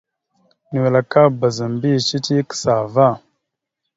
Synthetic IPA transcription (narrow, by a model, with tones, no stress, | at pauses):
ni˨we˨la˨ka˦ba˨za˨mbi˦˨ʃi˦ti˦kə̥˨sa˨va˦˨